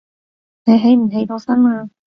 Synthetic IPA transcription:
ne˨˧jɦe˨˥jm̩˨˩ɦe˨˥jt̪oː˨˧˥sɐ˥naː˧

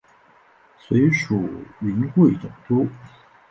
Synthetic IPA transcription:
swe˧˥ɪʂu˨˩y˧˥nxwe˥˩ɪt͡sʊ˨˩ŋt̪ɔ˥

